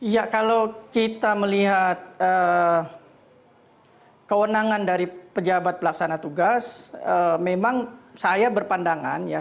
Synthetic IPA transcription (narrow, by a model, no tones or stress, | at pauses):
jakalowkit̪aməliɦat̪̚ə | kəwənaŋandaɾipəd͡ʒabat̪̚pəlaksanat̪uɡasəmemaŋsajabərpandaŋa̰nja